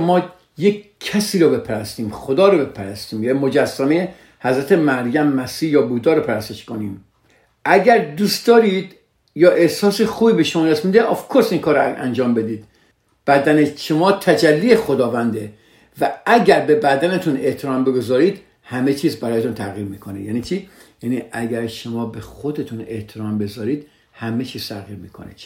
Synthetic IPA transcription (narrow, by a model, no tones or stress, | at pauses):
mɒː | jekʰːæsiːɾɔːbe̞pʰæɾæst̪iːmxod̪ɒːɾɔbepʰæɾæst̪iːmjæmod͡ʒæsːæmeje | hæzɾæt̪ʰemæɾjæmːæsiːjɒːbuːd̪ɒːɾɔpʰæɾæst̪eʃkoniːm | ʔæɡæɾd̪uːst̪̚d̪ɒːɾiːd̪ | jɒːʔehsɒːsexuːbiːbeʃomɒːd̪æsmiːd̪eʔɒfkʰoɾsinkʰɒːɾɔæ̰nd͡ʒɒːmbe̞d̪iːd̪̥ | b̥æd̪æneʃomɒːt̪ʰæd͡ʒælːiːjexod̪ɒːvænd̪e | vææɡæɾbe̞bæd̪ænet̪ʰune̞ht̪ʰeɾɒːmbe̞ɡo̞zɒːɾiːd̪ | hæmet͡ʃʰiːzbæɾɒːjet̪unt̪ʰæɣiːɾmiːkʰonejæːniːt͡ʃʰiː | jæːniʔæɡæɾʃomɒːbexod̪et̪ʰune̞ht̪ʰeɾɒːmbe̞zɒːɾiːd̪ | hæmet͡ʃʰiːz̥t̪ʰæʁḭːɾmḭːkʰo̰nḛ